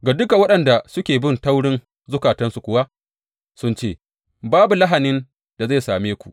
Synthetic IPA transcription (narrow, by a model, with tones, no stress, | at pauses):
ɡa˨dʊ˦ka˨wɐ˦ɗɐ˨nda˨sʊ˦kʲeː˨bɪ˦nta˦wɽɪ˦n | zʊ˦kaː˨tɐ˦nsu˨kʷʊ˨˦wa˦ʔ | sʊ˦nt͡ʃeː˦˨ | baː˦bu˨la˦ɦa˨nɪ˦n | d̥a˨za˦˨jsaː˨meː˦kʷu̥˨ʔ